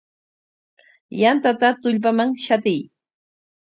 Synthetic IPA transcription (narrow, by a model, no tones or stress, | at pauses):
jant̪at̪at̪ʊʎp̬amaŋʃat̪ɪj